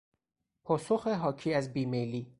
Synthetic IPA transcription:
pʰɒːsoxeɦɒːcʰiːæzbiːmejliː

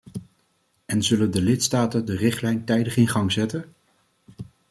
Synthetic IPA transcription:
ɛnzɵləndəlɪtstaːtəndərɪχtlɛjntɛjdəχɪnχɑŋzɛtən

